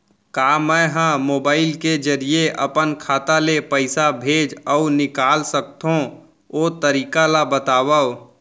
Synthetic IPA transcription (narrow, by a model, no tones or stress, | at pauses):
kaːmɛ̃ɦãmoːbaːɪlked͡ʒəɾieʔəpənkʰaːt̪alepəɪsabʱeːd͡ʒɔʊɾnɪkaːlsək̚t̪ɦõ | ot̪əɾiːkalabət̪aːwao